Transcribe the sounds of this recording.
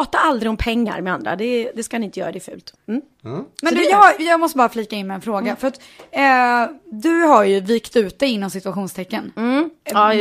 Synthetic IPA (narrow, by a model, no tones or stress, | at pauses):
ɑːt̪aald̪ɾɪɔmpʰɛŋːa̰ɾmɛand̪ɾa̰d̪ɛd̪ɛskanɪɪnt̪əjœ̰ɾad̪ɛːfʉ̟ːlt̪m̩ | mɛnd̪jɑːhajɑːɡmɔst̪əbɑːɾafliːkaɪnmɛɛnfɾoːɡafœɾat̪ː | d̪ɵɦaɾjɵviːkt̪ʉ̟ːt̪̚d̪ɛɪnːɔmsɪt̪ɵaɧuːnst̪ʰɛkːənː